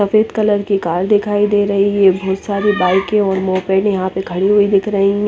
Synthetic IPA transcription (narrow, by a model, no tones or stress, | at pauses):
ɐfeːd̪kɐləɾkikaːɾd̪ɪkʰaːid̪eːɾɐɦiebʱɔːt̪saːɾibaːɪkẽɔːɾmɔːpeːʈjɐɦãpekʰɐɽiɦuid̪ɪkʰɾɐɦiɦ